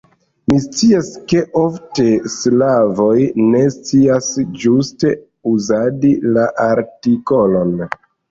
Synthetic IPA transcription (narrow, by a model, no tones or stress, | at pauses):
mist͡siaske̞ʔofte̞slavo̞jne̞st͡siasd͡ʒuste̞ | uzadilaʔaɾtikolo̞n